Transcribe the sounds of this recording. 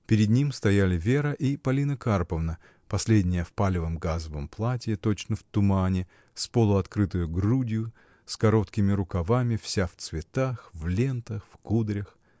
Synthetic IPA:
pʲɪɾʲɪd̪nʲimst̪ɐjælʲɪvʲe̞ɾəʔipɐlʲinəkarpəvnə | pɐsʲlʲedʲnʲɪjəfpalʲɪvəmɡazəvəmplˠatʲɪjɪt̪o̞t͡ɕnəft̪ʊmanʲɪ | spolˠʊɐt̪kɾɨt̪ʊjʊɡrudʲɪjʊ | skɐɾo̞t̪kʲɪmʲɪɾʊkɐvamʲɪfsʲaft̪svʲɪt̪axvlʲent̪əxfkud̪ɾʲəx

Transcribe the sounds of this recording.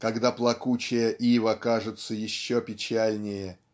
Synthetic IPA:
kɐɡd̪aplˠɐkut͡ɕɪjəʔivəkaʐɨt̪səjɪɕːopʲɪt͡ɕælʲnʲɪjə

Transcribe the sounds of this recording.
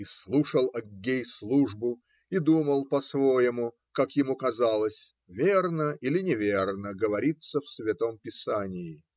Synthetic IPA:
islˠuʂəlˠɐɡʲːejslˠuʐbʊ | id̪uməlˠpɐsvo̞jɪmʊ | kakjɪmukɐzalˠəsʲ | vʲernəʔilʲɪnʲɪvʲernəɡəvɐɾʲit̪səfsvʲɪt̪o̞mpʲɪsanʲɪːɪ

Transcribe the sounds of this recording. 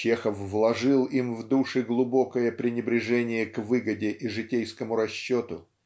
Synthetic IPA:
t͡ɕexəfvlˠɐʐɨlˠimvd̪uʂɨɡlˠʊbo̞kəjəpɾʲɪnʲɪbɾʲɪʐɛnʲɪjəkvɨɡədʲɪʔiʐɨtʲejskəmʊɾɐɕːo̞t̪ʊ

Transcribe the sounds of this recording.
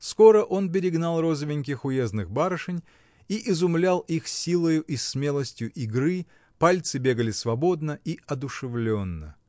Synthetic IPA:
sko̞ɾəʔo̞np̬ʲɪɾʲɪɡnɑlˠro̞zəvʲɪnʲk̬ʲɪxʊjeznɨxbaɾəʂɨnʲ | iʔɪzʊmlʲalˠixsʲilˠəjʊʔismʲelˠəsʲtʲjʊʔɪɡɾɨ | palʲt̪sɨbʲe̞ɡəlʲɪsvɐbo̞d̪nəiɐd̪ʊʂɨvlʲo̞nːə̰

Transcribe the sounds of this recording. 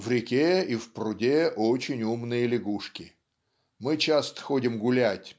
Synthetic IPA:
vɾʲɪkʲeifprʊdʲeʔot͡ɕɪnʲumnɨjəlʲɪɡuʂkʲɪ | mɨt͡ɕast̪ə̥xodʲɪmɡʊlʲætʲ

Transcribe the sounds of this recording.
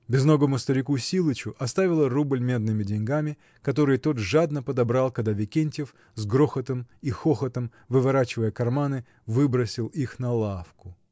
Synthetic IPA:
bʲɪzno̞ɡəmʊst̪əɾʲɪkusʲilˠɨt͡ɕʊʔɐst̪avʲɪlˠərublʲmʲe̞d̪nɨmʲɪdʲɪnʲɡamʲɪ | kɐt̪o̞ɾɨjt̪o̞t̪ʐad̪nəpəd̪ɐbɾalˠkəd̪ɐvʲɪkʲenʲtʲɪf | zɡɾoxət̪əmixoxət̪əm | vɨvɐɾat͡ɕɪvəjəkɐrmanɨ | vɨbɾəsʲɪlˠixnɐlˠafkʊ

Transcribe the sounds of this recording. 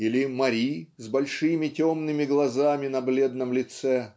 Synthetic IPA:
ilʲɪmɐɾʲizbɐlʲʂɨmʲɪtʲomnɨmʲɪɡlˠɐzamʲɪnɐblʲed̪nəmlʲɪt̪sɛ

